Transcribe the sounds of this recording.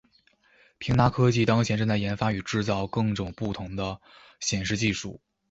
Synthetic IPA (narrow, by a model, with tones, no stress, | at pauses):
pʰi˧˥ŋna˧˥kʰɤ˥t͡ɕi˥˩t̪ɑ˥ŋt͡ɕʰjɛ˧˥nʈ͡ʂɤ˥˧ŋt͡sa˥˩ɪjɛ˧˥nfa˥y˨˩ʈ͡ʂɻ̩˥˧t͡sɑ˥˧ʊkɤ˥˩ŋʈ͡ʂʊ˨˩ŋpu˥˩t̪ʰʊ˧˥ŋd̪ə˧ | ɕjɛ˨˩nʂɻ̩˥˧t͡ɕi˥˧ʂṵ˥˩˦